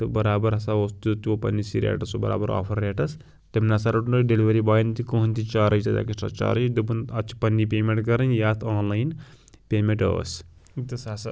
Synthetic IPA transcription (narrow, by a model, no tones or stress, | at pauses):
t̪ɨbɐɾaːbɐɾɐsaoːst̪ut̪uopɐ̰nːisiɾḛːʈɐsobɐ̰ɾa̰ːbɐɾa̰ːpʰɐɾːeːʈɐs | t̪ɐmnaːsaɾɐʈnoɖeliʋɐɾibaːjnt̪ikoːɦunʲt̪it͡ʃaːɾɐjit̪ɐd̪a̰ːkisʈɐ̰t͡ʃa̰ːɾɐjd̪ɨbunɐt͡ʃʰi̥pɐnːipʲeːmeɳʈɡɐɾɐnjaːt̪ʰaːnlajn | pʲeːmeɳʈə̰ːst̪ɐsas